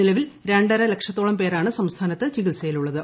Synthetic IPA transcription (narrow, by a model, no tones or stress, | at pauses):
ilɐʋilɾe̞ɳɖɐɾɐle̞kʂɐt̪ːoːɭɐmpe̞ːɾaːɳɨsɐmst̪ʰaːnɐt̪ːɨt͡ɕiɣilsɐjiluɭːɐðɨ